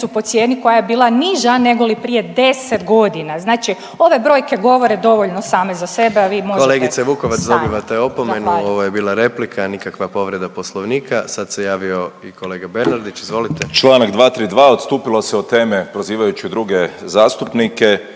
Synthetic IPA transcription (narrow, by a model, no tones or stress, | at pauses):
supo̞t̪sjeniko̞jajebiːlˠaniʒane̞ɡolipɾije̞d̪e̞set̪ɡo̞d̪inaznaːt͡ʃi | o̞ʋe̞bɾo̞ːjke̞ɡo̞ʋo̞ɾe̞d̪o̞ʋoʎnosaːme̞zase̞beaʋiːmoʒkoleːɡit̪seʋuːko̞ʋat̪sd̪o̞biʋat̪eo̞pome̞nuo̞ʋojebiːlˠaɾe̞plikʰanikakʋapo̞ʋɾe̞d̪apo̞slˠoʋniːkʰasad̪sejaːʋio̞ikʰo̞le̞ːɡabe̞ɾnaɾd̪it͡ʃizʋo̞lit̪ʰet͡ʃlˠaːnakd̪ʋaːt̪ɾiːd̪ʋaːo̞t̪st̪uːpiloseot̪eːmepɾoziːʋajut͡ʃid̪ɾuɡezaːst̪upnike